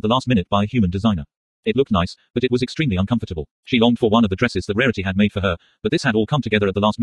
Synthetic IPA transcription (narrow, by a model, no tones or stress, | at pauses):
t̪̚ðəlæst̚mɪ̃nɨt̚b̥aɪɨhjʉmɨ̃ndɨzãɪnə̰˞ | ɨtˡlʊk̚tⁿnaɪsb̥ʌɾɨt̚wʌzɨkstɹ̥ĩmliʌ̃nkʰʌ̃ɱfə˞ɾəbəlˠ | ʃilɔ̃ŋd̥fə˞wʌ̃nʌvðɨdɹɛsɨzðɨt̚ɹɛɹɨɾiɨd̚meɪd̥fə˞ə˞ | b̥ʌt̪̚ðɪshɨɾɔlˠkʰʌ̃mtʰɨɡɛðə˞ɨt̪̚ðəlæst̚m